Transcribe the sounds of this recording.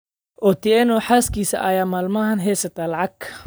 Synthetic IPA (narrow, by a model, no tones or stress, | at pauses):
ʔɔt̪ʰɪɛnɔħaːskʰiːsɐ̰ʔɐjaːmaːlmɐɦɐnɦɛːsɐt̪ʰalɐʕɑɡ